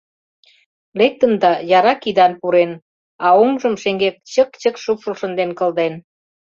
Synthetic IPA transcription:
lek̚t̪ənd̪ɑjɑɾɑkid̪ɑnpuɾen | ɑomʒəmʃeŋɡek̚t͡ɕəkt͡ɕəkʃupʃulʃə̆nd̪enkə̆ld̪en

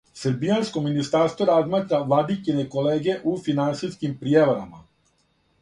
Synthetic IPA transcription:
səɾbijanskominist̪aɾst̪ʋoɾazmaːt̪ɾaʋlad̪ikinekoleːɡe̞ʔufinant̪siskimpɾijeʋoɾama

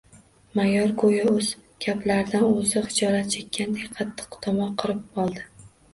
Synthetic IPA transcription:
majɒɾɡʰojaɵz̥ɡʲʰablaɾd̪anozɪχɪd͡ʒɒɾat̪̚t͡ʃʰekʲʰːand̪ejqʰɑt̪ʰːɨ̥qt̪ʰɒmɒqʰɨɾɪp̚ɒlˠd̪ɪ

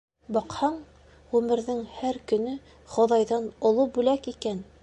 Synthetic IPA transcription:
bɑqhɑɴ | ʁʉmɘ̆ɾðɘŋhæɾkɵ̆nɵ | χŏðɑjðɑnŏlˠɤbʉlækikæn

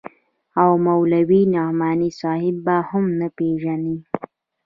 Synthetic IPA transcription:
awmawlawinahmɑnisɑːhɪbːahʊmnapeʒani

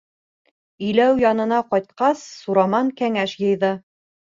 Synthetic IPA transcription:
ɵ̆jlæwjɑnɤ̆nɑqɒjt̪̚qɑsːuɾɑmɑŋkæŋæʃjɤ̆jðɤ

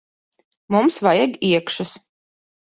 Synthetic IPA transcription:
mumsvajaɡiɛkʃas

